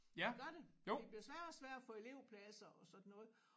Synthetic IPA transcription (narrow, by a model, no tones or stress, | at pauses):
jæɡ̥ɶɐɾ̥e̝jode̝bliɐsʋæɐ̰̥ɒsʋæɐ̰d̥æfɔ̽e̝le̝ʊpʰlæsɐɒ̽sɒ̽d̥n̩ːɔ̽ːð̩ˠ